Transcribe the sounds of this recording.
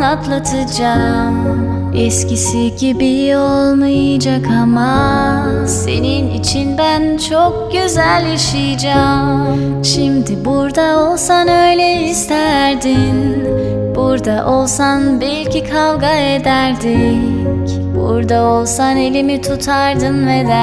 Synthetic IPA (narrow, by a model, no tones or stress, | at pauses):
at̪lˠat̪ʰɯd͡ʒam | ɛscisiɟibio̞lˠmajad͡ʒakʰama | se̞̰ninḭt͡ʃʰinbænt͡ʃʰok̚ɟøzælʲaʃɯjd͡ʒam | ʃimd̪ɪbuɾd̪aolˠsanø̞jlʲɛist̪ʰæɾd̪in | b̥uɾd̪aʔo̞lˠsanbilʲcʰikʰalˠɡaed̪æɾd̪ic | bṵɾd̪ao̞lˠsane̞lʲimit̪ʰut̪ʰaɾd̪ɯnvɛd̪